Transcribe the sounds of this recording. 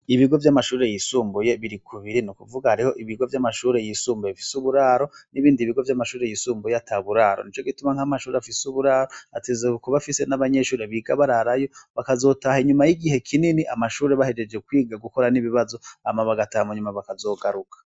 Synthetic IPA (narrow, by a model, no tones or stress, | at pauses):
iβiɡo̞vjamaʃuːɾe̞jisuːmbuje̞βiɾikʰuβiɾinukuvuɡahaɾiho̞ʔiβiɡo̞vjamaʃuːɾe̞jisuːmbujeβifi̥suβuɾaɾo̞niβiːndiβiɡo̞vjamaʃuːɾe̞jiːsuːmbujeatʰaβuɾaːɾo̰nit͡ʃo̞ɡitumaŋ̥hamaʃuːɾeafisuβuɾaːɾo̞atezekuβafise̞naβaɲe̞ʃuːɾe̞βiɡaβaɾaɾajo̞βakazo̞tahiɲumajiɡiɦe̞kʰininiʔamaʃuːɾe̞βahe̞d͡ʒe̞d͡ʒɡe̞kwiːɡaɡuko̞ɾaniβiβazo̞amaβaɡatahamuɲumaβakazo̞ːɡaɾukʰḁ